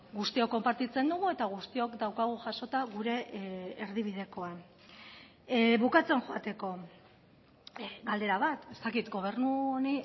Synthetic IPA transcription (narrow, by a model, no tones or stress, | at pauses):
ɡust̪iokːo̞mpaɾt̪it͡se̞nd̪uɣ̞ue̞t̪aɣ̞ust̪io̞kd̪awkaɣ̞uʝaʃo̞t̪aɣuɾe̞ːɾð̞iβ̞ið̞e̞ko̞an | βukat͡se̞nʝoat̪e̞ko̞ | ɡald̪e̞ɾaβat̪e̞st̪akit̪ɡo̞β̞e̞ɾnuoni